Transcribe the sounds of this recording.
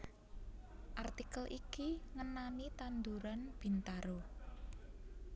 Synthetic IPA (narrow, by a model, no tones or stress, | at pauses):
ʔart̪ikəlʔikiŋənanit̪and̪uɾanb̥i̤nt̪aɾo